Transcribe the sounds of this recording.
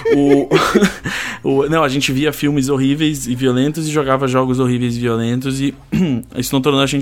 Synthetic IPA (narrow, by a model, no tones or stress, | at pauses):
ʊ | ʊnɐ̃w̃ɐʒẽnt͡ʃɪviɐfiwmɪz̬oɦivejsɪviolẽnt̪ʊzɪʒoɡavɐʒɔɡʊzoɦivejzɪviolẽnt̪ʊzɪ | isʊnɐ̃w̃t̪oɾɐ̃nd̪ɐʒẽt͡ʃ